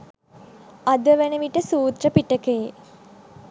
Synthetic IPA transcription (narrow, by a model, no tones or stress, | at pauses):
ad̪əʋænəʋiʈəsuːt̪rəpiʈəkee